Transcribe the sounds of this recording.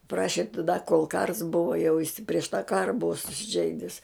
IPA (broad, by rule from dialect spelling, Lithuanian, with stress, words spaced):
ˈprɑːʃʲɪ tɐˈdɐ koːlˠ kɐrs ˈbʊʋɐ jɛʊ ɪsʲɪ pʲrʲiɛʃ tɑː ˈkɑːrɐ ˈbʊʋɐ sʊsʲɪˈʒʲɛɪdʲɪs